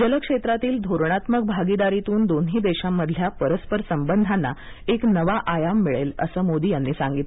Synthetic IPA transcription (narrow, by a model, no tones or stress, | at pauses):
d͡ʑələkʂet̪ɾat̪iːld̪ʱoɾɳ̃at̪mək̚bʱaɡid̪aɾit̪uːnd̪onɦiːd̪eɕamːəd̪ʱljapəɾəspəɾsəmbənd̪ʱanːa̰ | eknəʋaʔajamːiɭelə̰səːmod̪iːjanːiːsaŋɡit̪